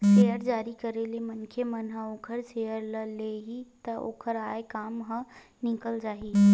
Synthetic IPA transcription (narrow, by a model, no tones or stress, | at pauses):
ʃeːjəɾd͡ʒaːɾikɐɾelemɐnkʰemɐnɦə̃oːkʰəɾsejəɾləleːɦit̪ɐʔo̰ːkʰəɾaːekaːmɦə̃ | nɪkəld͡ʒaːɦi